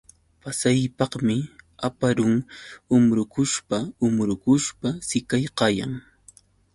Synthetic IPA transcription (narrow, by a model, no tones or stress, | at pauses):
pasajpɑqmɪapaɾʊŋʊmɾʊkʊʃpaʊmɾʊkʊʃpasɪkajqɑjaŋ